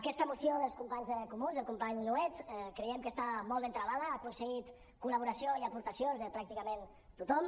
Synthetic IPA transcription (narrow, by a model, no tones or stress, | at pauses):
əkɛst̪əmusjoðəlˠskumpaɲzəkumunzðəlˠkumpaɲnuɛt̪ɛkɾejɛmkəst̪amɔlˠd̪ent̪ɾəðaðəakunsəɣit̪ | kuləβ̞uɾəsioiəpuɾt̪əsionzðəpɾak̚t̪ikəmen | t̪ut̪ɔm